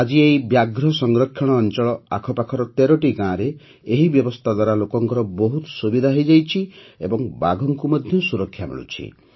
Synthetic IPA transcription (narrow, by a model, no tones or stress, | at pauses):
ad͡ʒiejbjaɡɾɔsɔŋɡɾɔkʰːjɔɽ̃ɔːnt͡ʃɔɭɔakʰɔpakʰɔɾɔt̪eɾɔʈiɡãɾeː | ɦibjɔbɔst̪ʰad̪waɾalokɔŋkɔɾɔbɔɦut̪subid̪ʱaɦejd͡ʒajt͡ʃʰiebɔŋbaɡʱɔŋkumɔd̪ʱjɔsuɾɔkʰːjamḭɭṵt͡ʃʰḭ